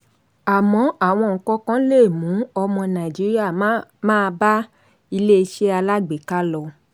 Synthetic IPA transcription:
a˨mɔ̃˨˦a˦˨w̃ɔ̃˧˨ŋ̩˨kɔ˧˦kã˦le˦˨mũ˨˦ɔ˧mɔ̃˧nã˨d͡ʒi˨˦ɾi˦a˦˨mãː˦˧ba˦ | i˧le˦i˧ʃe˦a˧la˦ɡ͡be˨˦ka˦lɔ˧

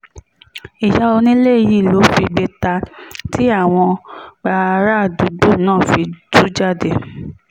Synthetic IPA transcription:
i˨ja˧o˧nĩ˦le˦˨˧ji˦˨lo˨˦fi˧ɡ͡be˧ta˧tʰi˨˦a˦˨w̃ɔ̃˧ɡ͡ba˧ɾa˦˨du˨˦ɡ͡bo˦˨nãː˦˨fi˧du˦d͡ʒa˦˨de˦˨

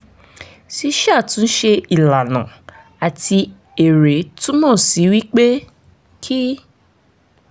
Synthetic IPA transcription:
ʃi˧ʃa˦˨tũ˨˦n̩˦ʃe˧i˨la˨nã˨ | a˨ti˧ | e˨ɾe˨˦tũ˦mɔ̃˦˨si˨˦wi˦k͡pe˦ | kʰi˦

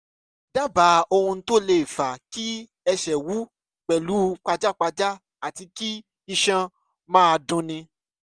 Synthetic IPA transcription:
da˦ba˨˦o˧hũ˧to˦le˧˨i˨fa˨ki˦ | ɛ˧ʃɛ˨wu˨˦ | k͡pɛ˨lu˨˦k͡pa˧d͡ʒa˦˨k͡pa˧d͡ʒa˦ | a˨ti˧ki˦ | i˧ʃã˧ | mãː˦˧dũ˧nĩ˧

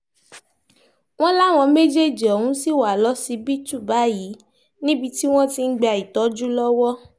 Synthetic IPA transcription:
w̃ɔ̃˦la˦˨w̃ɔ̃˧me˦d͡ʒe˦˨d͡ʒi˨ɔ˨hũ˨˦si˦˨wa˨lɔ˨˦si˧˦bi˦tu˦˨ba˨˦ji˨˦ | nĩ˦bi˧ti˦w̃ɔ̃˦ti˧n̩˦ɡ͡be˧a˨i˨tɔ˨˦d͡ʒu˦lɔ˦wɔ˦

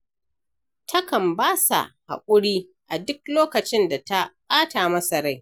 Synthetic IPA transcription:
tʰɐ˦kɐ˨mbaː˦sa̰˨ha̰˨kʷʼʊ˦ɽiː˦ | ʔa˨dʊ˦k̚loː˦kɐ˨t͡ʃɪ˦nda˨ta˦ɓʼaː˦taː˨mɐ˦sɐ˨ɽa˦j

